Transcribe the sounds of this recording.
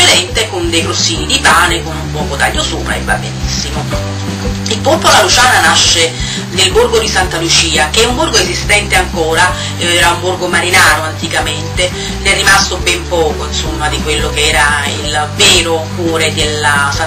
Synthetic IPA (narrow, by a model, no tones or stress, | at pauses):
elɛnt̪ekond̪ejkɾosːiːnid̪ipaːnekonumpɔːkot̪a̰ʎːosuːpɾʔa̰ḛvːa̰bːenisːimo | ilpolpolalut͡ʃaːnanaʃːe | d̪elburɡod̪isant̪alut͡ʃiːak̟eumburɡoezist̪ɛnt̪eaŋkoːɾa | ɛːɾaumburɡomaɾinaːɾoant̪ikament̪e | d̪ɛrːimast̪obɛmpɔːkoinsomːad̪ikwelːokeɛːɾaḭlvɛːɾokwɔːɾed̪elasa